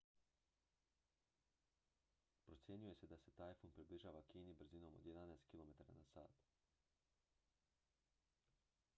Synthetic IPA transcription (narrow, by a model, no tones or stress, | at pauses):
pɾo̞t̪sje̞ɲuje̞se̞d̪ase̞t̪aːjfunpɾibliʒaːʋakiːnibr̩zinomo̰d̪jed̪anɛest̪̚kilo̞me̞t̪aɾa̰nasa̰ːt̪